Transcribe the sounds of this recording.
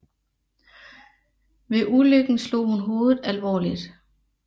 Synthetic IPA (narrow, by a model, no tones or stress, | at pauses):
ʋe̝ʔuløɡ̥n̩slo̝̰ːhunɦo̝ːðˠð̩ˠælʋɒ̰ːlid̥